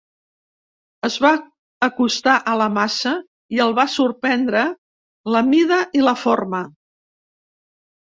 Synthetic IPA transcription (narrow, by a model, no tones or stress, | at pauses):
əzβaː | kust̪aʔələmasə | iəlˠβasuɾpɛnd̪ɾə | ləmiðəʔiləformə